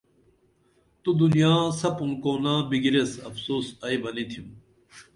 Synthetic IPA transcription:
t̪ud̪unjãːsɐpũnkoːnãːbiɡiɾesɐfsoːsɐjbɐnit̪ʰĩm

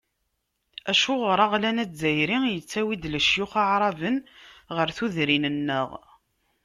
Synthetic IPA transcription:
æʃʊʁɾˤɑʁlænæt͡szæjɾijət͡sːæwid̪ləʃjʊχaʕɾˤɑvənʁəɾθuðɾinənːə̰ʁ

